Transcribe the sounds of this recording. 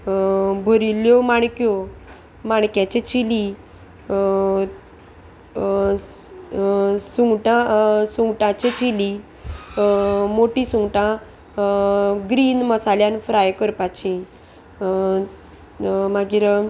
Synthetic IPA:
bʱəɾiljɔmaɳ̃kjo | maɳkjat͡ɕet͡ɕili | suŋɡʈãsũŋɡʈãt͡ɕet͡ɕili | moʈĩsuŋʈã | ɡɾiːnməsaljanfɾajkəɾpat͡ɕĩ | maɡiɾ

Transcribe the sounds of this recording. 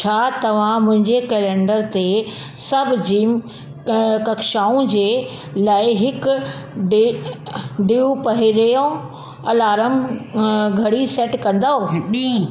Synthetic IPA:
t͡ɕʰaːt̪ɐʋ̤ãmʊ̃ɦɪ̃ɲd͡ʑekeːlẽːɳɖəɾt̪e | sɐbʱd͡ʑiːm | kɐkʃaːũd͡ʑeː | laːɪɦɪkɖ | ɖiũpɐɦiɾɐjõ | ɐlaːɾəmb | ɡʱɐɽiseːʈkɐ̃nd̪aɦoi

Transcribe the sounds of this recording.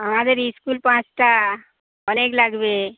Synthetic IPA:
amãd̪əɾiskulpãt͡ʃʈa | ɔneklaɡbe

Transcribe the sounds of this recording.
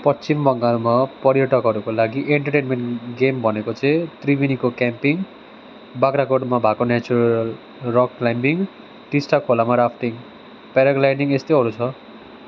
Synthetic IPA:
pʌt͡st͡simbʌŋɡalmapʌɾjʌʈʌkɦʌɾukolaɡiʔeɳʈʌʈenmeɳʈɡembʱʌnekot͡sʌ̃ĩt̪ribinikokampiŋ | bakɾakoʈmabʱakonat͡suɾlʌl | rʌklajmbiŋ | ʈisʈakʰolamaɾapʰt̪iŋ | paɾaɡlajniŋest̪ʌjɦʌɾut͡sʰʌ

